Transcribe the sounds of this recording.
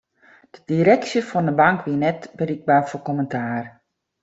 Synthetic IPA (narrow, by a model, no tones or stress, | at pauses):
d̥ədiɾɛksjəfɔndəbaŋkʋiənɛtbəriɡ̚baːfokɔməntʰaːr